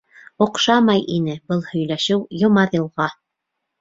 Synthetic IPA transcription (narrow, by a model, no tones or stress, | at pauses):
ŏqʃɑmɑjʔinɘbɤlˠhɵ̆jlæʃɘwjŏmɑðɤ̆lˠʁɑ